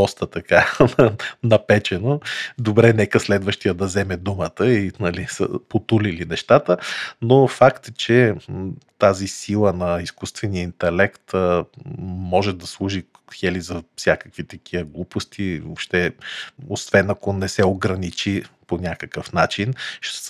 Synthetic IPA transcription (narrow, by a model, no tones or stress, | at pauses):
d̪ɔst̪ət̪ɐka | nɐpɛt͡ʃɛnod̪obɾɛnɛkəslɛd̪vəʃt̪ijəd̪ɐzɛmɛd̪umət̪əinɐlisə̰pot̪ulilinɛʃt̪at̪ənofakt̪t͡ʃɛ | t̪azisilˠənɐiskust̪vɛniəint̪ɛlɛkt̪ | mɔʒɛd̪ɐslˠuʒi | xɛlizɐfsʲjakəkvit̪ɐkiəɡlˠupost̪ivopʃt̪ɛosvɛnɐkonɛsɛoɡɾɐnit͡ʃiponʲakəkəfnat͡ʃinʃ